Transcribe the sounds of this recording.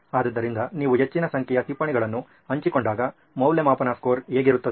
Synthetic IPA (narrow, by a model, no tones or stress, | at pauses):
aːd̪ɐd̪ːɐɾind̪ɐniːʋuɦet͡ʃːinɐsɐŋkʰɛjɐt̪ipːɐɳiɡɐɭɐnːu | ɐɲt͡ʃikoɳɖaːɡɐ | mɐwljemaːpɐnaːskoːɾeːɡiɾut̪ːɐd̪